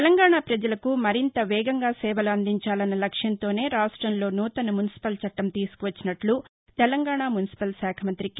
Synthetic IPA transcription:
t̪ɛlɐŋɡaːɳaːpɾɐd͡ʒɐlɐkumɐɾint̪ɐʋɛːɡɐŋɡaːsɛːʋɐluɐnd̪iɲt͡ʃaːlɐnːɐlɐkʂjɐnt̪o̞ːne̞ːɾaːʂʈɾɐmlo̞ːnuːt̪ɐnumunisi̥pɐlt͡ʃɐʈːɐmt̪iːsu̥kuʋɐt͡ʃːinɐʈlu | t̪ɛlɐŋɡaːɳaːmunisi̥pɐlsaːkʰɐmɐnt̪ɾik

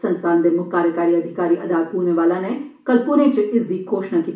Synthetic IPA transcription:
sə̃nst̪ʰaːnd̪eːmʊkaːɾjəkaːɾiːɐd̪ʱɪkaːɾiːʔɐd̪aːt̪̚puːɾneʋaːlãːne | kɐlpʊnẽt͡ʃɪsd̪iːɡʰoːʃnakiː

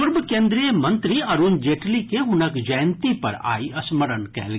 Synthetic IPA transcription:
ʊɾbkẽːnd̪ɾijəmɐ̃nt̪ɾiɐɾund͡ʒeːʈlikeɦʊnəkd͡ʒɐjnt̪ipɐ̰ɾa̰ːiɐsməɾənkɛ̰ɦl

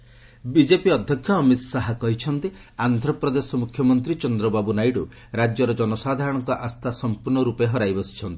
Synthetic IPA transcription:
bid͡ʒepiɔd̪ʱjɔkʰːjɔːmit̪ɔsaɦakɔɦit͡ʃʰɔnt̪i | and̪ʱɾɔpɾɔd̪esɔmukʰːjɔmɔnt̪ɾit͡ʃɔnd̪ɾɔbabunajɖu | ɾad͡ʒjɔɾɔd͡ʒɔnɔsad̪ʱaɾɔɽ̃ɔŋkɔʔast̪ʰasɔmpuɾɳɔɾupeɦɔɾajbɔsi̥t͡ʃʰɔnt̪i̥

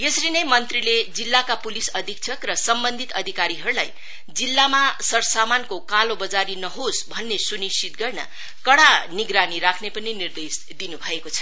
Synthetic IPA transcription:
jesʌɾinʌjmʌnt̪riled͡zilːakapulisʌd̪ʱik̚t͡sʰʌkrʌsʌmbʌnd̪ʱit̪ʌd̪ʱikaɾiɦʌɾulaj | d͡zilːamasʌɾsamankokalobʌd͡zaɾinʌɦosbʱʌnːesunist͡ʃit̪̚ɡʌrnʌ̰ | kʌɽaniɡɾaniɾakʰnepʌninird̪es | d̪inubʱʌekot͡sʰʌ̥

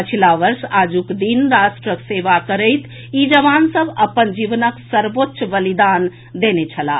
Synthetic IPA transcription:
pət͡ʃʰilaʋəɾsad͡ʒukd̪inɾasʈɾəkseʋakəɾəɪt̪ʰ | id͡ʒəʋansəbəpənd͡ʒiʋnəksəɾbotːʃbəlid̪an | d̪enet͡ʃʰəla̰

